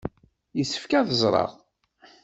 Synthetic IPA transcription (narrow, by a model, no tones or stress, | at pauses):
jəsːə̥fkæθəzˤɾˤɑ̰ʁˤ